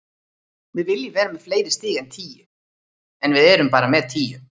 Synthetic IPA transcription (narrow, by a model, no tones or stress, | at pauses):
vɪðvɪljɪvɛːɾamɛðfleːjɾɪst̪ɪːɣant̪ʰiːjɪ | ɛnvɪðɛːɾʏmpaːɾamɛðt̪ʰiːjʏ